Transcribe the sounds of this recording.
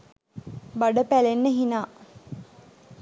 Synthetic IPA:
baɖəpælenːəɦinaː

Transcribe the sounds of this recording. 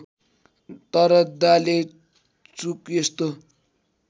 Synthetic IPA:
t̪ʌɾʌd̪ale | t͡sukjest̪o

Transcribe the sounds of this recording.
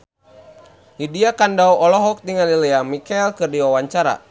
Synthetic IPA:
hidiakandauɔlɔɦɔk̚diŋalilɛamikailkɨrdiwawaɲt͡ʃaɾa̰

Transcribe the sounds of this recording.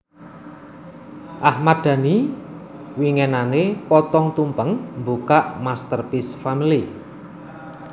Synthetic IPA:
ʔahmad̪̥ä̤ni | wiŋɛnanepɔt̪ɔŋt̪umpəŋmbukaʔmast̪ərpisfamili

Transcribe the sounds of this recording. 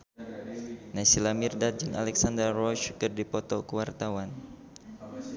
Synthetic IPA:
nasilamirdat̪̚d͡ʒɨŋa̰lɛksand̪ərːɔʃkɨrdipɔt̪ɔkəwart̪awan

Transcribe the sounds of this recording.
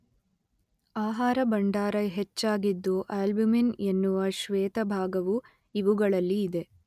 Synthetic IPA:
aːɦaːɾɐbɐɳɖaːɾɐɦet͡ʃːaːɡid̪ːuʔaːlbuminenːuʋɐʃʋɛːt̪ɐbʱaːɡɐʋu | iʋuɡɐɭɐlːiːd̪e̞

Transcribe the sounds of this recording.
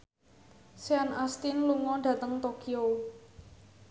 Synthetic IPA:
seanast̪inluŋɔɖ̥ä̤t̪əŋt̪okio

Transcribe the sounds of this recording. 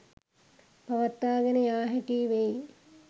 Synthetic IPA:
pɐʋɐt̪ːaːɡenəjaːɦɛʈiːʋej

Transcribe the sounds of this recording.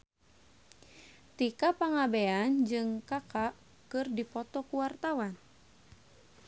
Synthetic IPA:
t̪ikapaŋabeand͡ʒɨŋkakaʔ | kɨrdipɔt̪ɔkuwart̪awan

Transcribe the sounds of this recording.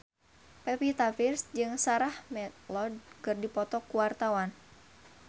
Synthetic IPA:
pɛpit̪afirsd͡ʒɨŋsaɾahmɛt̪lɔd̚kɨrdipɔt̪ɔkuwart̪awan

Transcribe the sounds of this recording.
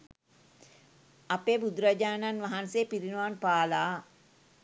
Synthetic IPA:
apeːbud̪ɾad͡ʒaːnanʋaɦanseːpiɾinuʋaːnpaːlaː

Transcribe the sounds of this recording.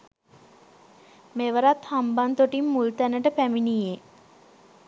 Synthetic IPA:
meʋəɾat̪hambant̪oʈimːult̪ænəʈəpæminije

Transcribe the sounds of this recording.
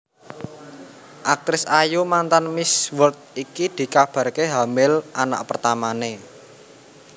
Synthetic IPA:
ʔak̚t̪ɾɪsajumant̪anmɪswəlt̪̚ikid̪̥i̤kab̥a̤rkeɦamɪlʔana̰ʔpərt̪amane

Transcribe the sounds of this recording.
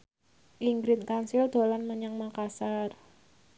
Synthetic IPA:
ʔiŋɡɾɪt̪kansɪld̪̥o̤lanməɲaŋmakasar

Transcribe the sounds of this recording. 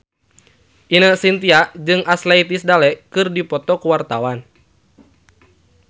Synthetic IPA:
ʔinəsint̪iaʔd͡ʒɨŋʔaslait̪isdalɛʔkɨrdipɔt̪ɔkuwart̪awan

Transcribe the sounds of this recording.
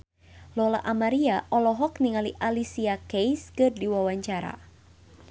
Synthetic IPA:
lɔla̰ʔamaɾiaʔɔlɔɦɔkniŋaliʔalisiakejskɨrdiwawaɲt͡ʃaɾa̰

